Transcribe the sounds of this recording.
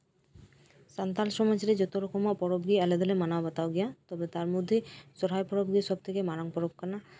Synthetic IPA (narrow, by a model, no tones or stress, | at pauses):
sant̪alʃɔmad͡ʑɾed͡ʑot̪oɾɔkomapɔɾobɡiɛled̪olemanaabat̪aoɡiat̪ɔbet̪aɾmod̪ʱːesɔɾɦajpɔɾobɡiʃɔb̚t̪ʰekemaɾoŋpɔɾob̚kana